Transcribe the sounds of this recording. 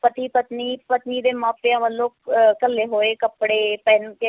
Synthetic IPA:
pət̪iːpət̪niːpət̪niːd̪eːmaːpeãːməlːoːkkəlːeːɦoːeːkəpɽeːpɛnke

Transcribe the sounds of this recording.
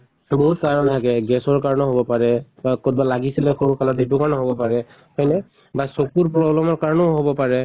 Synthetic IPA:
boɦutkaɹɔntʰakɛɡɛsɔɹkaɹɔnɔɦobɔpaɹɛbakɔtbalaɡisilɛxoɹukalɔtitukaɹnɔɦobɔpaɹɛ | hɔjnɛ | basokuɹpɹɔblɔmɔɹkaɹɔnɔʊɦobɔpaɹɛ

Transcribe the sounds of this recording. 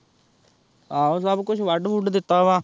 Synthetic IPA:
aːõsəbkʊt͡ʃʰʋəɖfuːʈd̪ɪt̪ːaːʋãː

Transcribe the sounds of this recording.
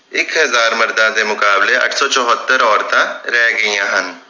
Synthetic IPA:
ɪkɦəzaːɾməɾd̪ãːd̪eːmʊkaːbleːə̰ʈʰsɔːt͡ʃɔɦət̪ːəɾɔːɾt̪ãɾɛːɡəijãːɦən

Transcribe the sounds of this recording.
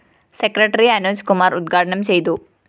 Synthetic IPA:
sekɾɐʈɐɾiɐnuskumaːɾud̪̚ɡʱaːʈɐɳɐmt͡ʃejd̪u

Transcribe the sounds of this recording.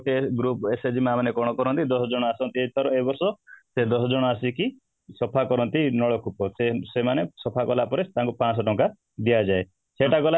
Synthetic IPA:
eɡɾupesed͡ʒimamanekɔɽ̃ɔkɔɾɔnt̪id̪ɔsɔd͡ʒɔɽ̃ɔasɔnt̪iet̪ʰɔɾɔebɔɾsɔsed̪ɔsɔd͡ʒɔɽ̃ɔasiki | sɔpʰakɔɾɔnt̪inɔɭɔkʰupɔsesemanesɔpʰakɔlapɔɾet̪aŋkupãsɔʈɔŋka | d̪ijad͡ʒae | seʈakɔla

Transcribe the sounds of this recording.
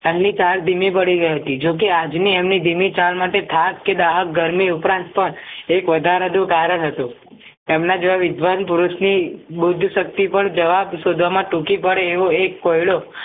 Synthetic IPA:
ɛmnit͡ʃald̪imipəɽiɡəiɦət̪id͡ʒok̬ead͡ʒniemnid̪ʱimit͡ʃalmaʈet̪ʰakkːed̪aɦək̚ɡəɾmiʊpɾãnt̪pəɳekʋəd̪ʱaɾəd̪ũkaɾəɭɦət̪ũ | emnad͡ʒʋaʋɪd̪ʱʋanpʊɾuʃnibʊd̪ʱʃək̚t̪ipəɳd͡ʒəʋabʃod̪ʱʋamãʈũkipəɽeːʋoekːojɭo

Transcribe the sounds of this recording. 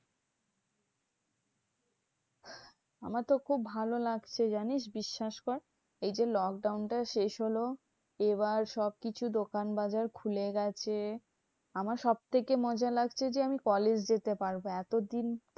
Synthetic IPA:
a̰maɾt̪okʰubːʱalolaɡt͡ɕʰed͡ʑaniʃbiʃːaʃkoɾ | ejd͡ʑelɔk̚ɖawnʈaʃeʃɦolo | eβaɾʃɔb̚kit͡ɕʰud̪okanbad͡ʑaɾkʰuleɡɛt͡ɕʰe | amaɾʃɔb̚t̪ʰekemɔd͡ʑalaɡt͡ɕʰed͡ʑeamikɔled͡ʑd͡ʑet̪epaɾboɛt̪od̪in

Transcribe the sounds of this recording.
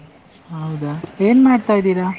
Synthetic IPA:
ɦɐwd̪aeːnmaːɖt̪ajd̪iːɾa

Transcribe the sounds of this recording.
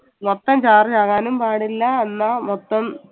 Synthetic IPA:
mot̪ːɐmt͡ɕaːrt͡ɕaːɣaːnumpaːɽilːɐenːɐmot̪ːɐm

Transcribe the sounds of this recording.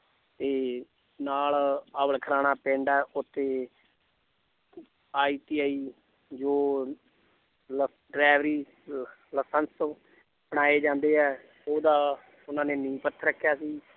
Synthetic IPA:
t̪eː | naːlaːʋəlkʰəɾaːnaːpɛ̃ːɳɖɛːʔʊt̪ʰːeː | aːiːʈiːaːiː | d͡ʒoː | l | ɖɾɛːʋɾiː | ləsəns | bəɽaːeːd͡ʒãːnd̪eːɛː | oːd̪aː | ʊnãːneːnĩːpət̪ʰːɾəkʰːjaːsiː

